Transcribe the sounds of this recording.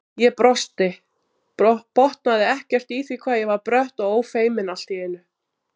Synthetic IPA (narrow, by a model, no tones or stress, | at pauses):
jɛpɾɔst̪ɪ | ɔpɔht̪naðɪɛhcɛr̥t̪iθvikʰvaːðjɛvaɾpɾœht̪ɔɣoːwfeːjmɪnal̥t̪iɪnːʏ